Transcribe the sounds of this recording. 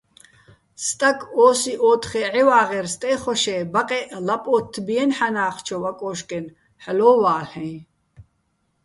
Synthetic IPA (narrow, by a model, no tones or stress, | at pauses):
st̪ʼakʰʼɔːsiʔɔːt̪ʰχɛʕiwaːʁɛɾst̪ʼɛːχɔʃɛːbaqʼɛʔlapʼɔːt̪ʰːbiɛnħanaːχt͡ʃʰɔwakʼɔːʃkʼɛn | ħlɔːwaːlɛ̃j